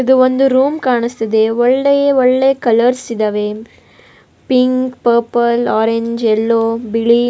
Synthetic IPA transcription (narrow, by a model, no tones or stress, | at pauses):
id̪uond̪uɾuːmkaːɳist̪ɐd̪eɔɭːejeɔɭːekɐlɐɾsid̪ɐʋe | piŋkpɐːɾpɐlaːɾeɲd͡ʒɛlːoːbiɭi